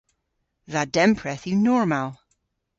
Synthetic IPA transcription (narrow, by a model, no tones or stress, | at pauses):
ðad̥ɛ̃mpʰɹɛθʉnɔɹmalˠ